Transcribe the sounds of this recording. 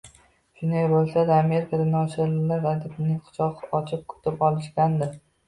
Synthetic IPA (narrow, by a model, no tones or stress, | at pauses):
ʃʊnd̪ajbolˠsad̪aame̞ɾɪkʰad̪anɒʃɪɾlɪlaɾad̪ɪpɪnɪŋqʰʊ̥t͡ʃʰɒqɒt͡ʃʰɪp̚kʰɵ̥t̪ʰɪpɒlˠɪʃkʲand̪ɪ